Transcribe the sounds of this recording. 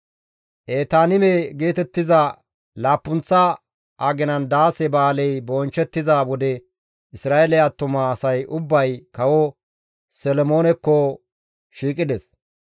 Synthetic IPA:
ʔeːt̪aːnɪmeɡe̞ːt̪ɛt̪ːɪzɐ | laːpːʊnt͡sːɐ | ʔaɡɪnɐnd̪aːsɛbaːlɛjbɔnt͡ʃːɛt̪ːɪzawɔd̪ɛ | ʔɪsɾaːʔelɪjat̪ːʊmɐːsɐjʊbːɐjkɐwɔ | sɛlɔmo̞ːnɛkːɔ | ʃiːkʼɪd̪ɛs

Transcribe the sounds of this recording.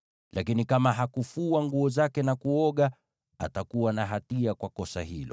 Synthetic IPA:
lʔakinikamaɦakufuaŋɡuɔzakɛnakuɔɠa | a̰takuwanaɦatiakwakɔsa̰hilɔ

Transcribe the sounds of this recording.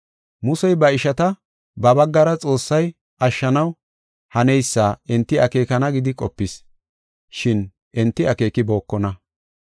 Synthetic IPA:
mʊsɛjbɐɪʃɐt̪ɐ | bɐbɐɡːɐɾɐt͡sʼo̞ːsːɐj | ʔɐʃːɐnɐw | hɐnɛjsːaːɛnt̪ːɪɐke̞ːkɐnɐɡɪd̪ɪkʼɔpːɪs | ʃɪn | ʔɛnt̪ːɪɐke̞ːkɪbo̞ːkːɔnɐ

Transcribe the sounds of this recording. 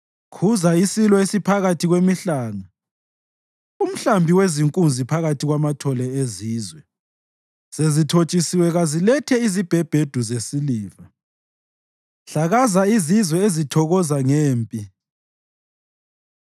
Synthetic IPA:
kʰuzaisilɔesipʰaɣatʰiɣwemiɬaːŋa | um̩ɬambʱiweziŋkʼund͡zʱipʰaɣatʰiɣwamatʰɔlɛeziːzwɛ | z̥ezitʰot͡ʃʼisiwɛɣazilɛtʰɛizib̥ʱɛb̥ʱed̥ʱuzesiliːva | ɬaɣazaizizwɛezitʰɔɣɔzaŋeːmpʼi

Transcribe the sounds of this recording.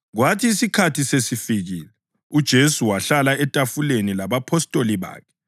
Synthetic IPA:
ɣwatʰiːsikʰatʰisesifiɣiːlɛ | ud̥ʒ̥ʱesuwaɬalaɛtʼafulenilaβapʰɔstʼoliβa̰ːkʰɛ̥

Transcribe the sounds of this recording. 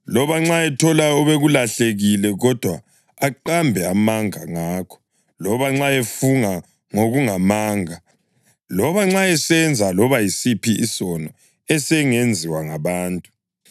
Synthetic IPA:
lɔβaŋ͡ǁaɛtʰɔlaɔβeɣulaɬeɣilɛɣɔd̥ʱwaː | ǃambʱɛamaŋaŋaːkʰɔ̥ | lɔβaŋ͡ǁaefuŋa | ŋoɣuŋamaːŋʱa | lɔβaŋ͡ǁaɛsɛnd͡zʱalɔβajisipiʔisɔnɔ | ɛsɛŋend͡zʱiwaŋaβaːntʼu̥

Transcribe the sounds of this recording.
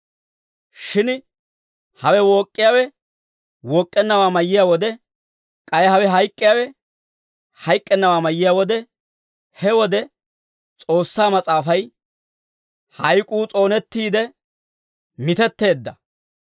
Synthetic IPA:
ʃɪn | hɐwɛwɔkʼːɪjaːwɛ | wɔkʼːɛnːɐwaːmɐjːɪjawɔd̪ɛ | kʼɐjhɐwɛɦɐjkʼːɪjaːwɛ | hɐjkʼːɛnːɐwaːmɐjːɪjaːwɔd̪ɛ | hɛwɔd̪ɛ | t͡sʼo̞ːsːaːmɐt͡sʼaːfɐj | hɐjkʼuːt͡sʼo̞ːnɛt̪ːiːd̪ɛ | mɪt̪ɛt̪ːe̞ːd̪ːɐ

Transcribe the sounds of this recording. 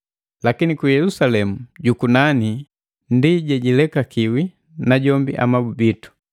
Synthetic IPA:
lakinikujɛlusalɛmuɟukunani | ndiɟɛɟilɛkakiwi | naɟɔmbḭʔa̰mabubitu̥

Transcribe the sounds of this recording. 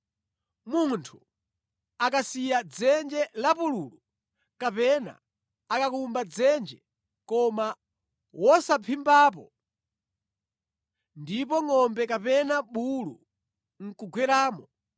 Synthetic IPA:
muntʰu | akasijad͡zɛnd͡ʒɛlapuluːlu | kapɛna̰ː | kakumbad͡zɛnd͡ʒɛ | kɔma | wɔsapʰimbaːp̬ɔ̰ | ndipɔŋɔmbɛkapɛnaɓulṵ | ŋ̩kuɡwɛɾaːmɔ

